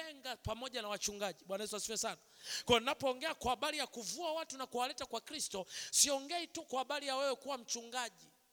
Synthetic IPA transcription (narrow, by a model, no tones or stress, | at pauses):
ɛŋɡapamɔʄanawat͡ʃuŋɡaʄiɓwanaɛsasiwɛsanakɔjɔnnapɔːŋɡɛakwahːɓaɾijakuvuawatunakuwalɛtakwakɾistɔsiɔŋɡɛitukwahaɓaɾijawɛwɛkuwam̩t͡ʃuŋɡaʄi